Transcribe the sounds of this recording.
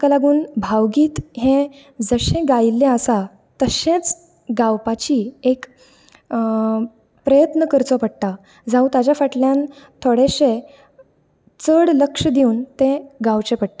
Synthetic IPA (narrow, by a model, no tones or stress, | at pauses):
kalaɡuːnbʱawɡiːt̪ɦẽ | d͡zəɕẽɡailːẽəsa | t̪əɕẽt͡s | ɡawpat͡ɕiek | pɾəjət̪nəkəɾt͡sɔpəɽt̪a | d͡zaũt̪ad͡ʑjafəʈljãn | t̪ʰoɽeɕe | t͡səɽləkʂəd̪iuːnt̪ẽɡawt͡ɕepəɽt̪a